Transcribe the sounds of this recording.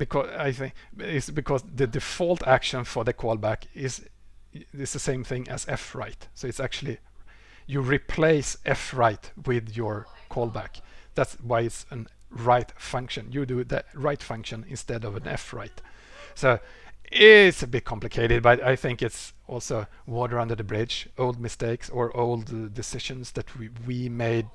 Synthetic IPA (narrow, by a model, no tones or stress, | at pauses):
b̥ɨkʰɔaɪθɪ̃ŋɪsbɨkʰɔsðɨdɨfɔlˠtʰækʃə̃nfə˞ðɨkʰɔlˠbækɪz | ɪsðəsẽɪ̃mθɪ̃ŋʔɨ̰z̥ɛfɹa̰ɪtsoʊɨtsæk̚t͡ʃʉl̩ˠi | jɨɹɪpʰl̥eɪsʔɛfɹaɪtwɪðjə˞kʰɔlˠbækðætswaɪɨtsə̃nɹaɪtfʌ̃ŋkʃɨ̃njɨdɨðɨɹaɪtfʌ̃ŋkʃɨ̃nɪ̰̃nstɛɾʌvɨ̃nɛ̰fɹa̰ɪtsoʊɪtsɨbɪt̚kʰɑ̃mplɨkʰeɪɾɨd̚bʌɾaɪθɪ̃ŋkɨts | ɔlˠsoʊ | wɔɾə˞ʌ̃ndə˞ðəbɹɪd͡ʒoʊlˠd̚mɨsteɪksə˞ʔoʊlˠddɨsɪʃɨ̃nsðɨt̚ʰwimeɪd̚